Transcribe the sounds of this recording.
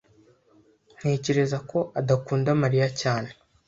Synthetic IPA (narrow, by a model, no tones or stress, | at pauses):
n̥he̞ːce̞ɾe̞zakʰo̞ʔadakuːndamaɾijacaːne̞̥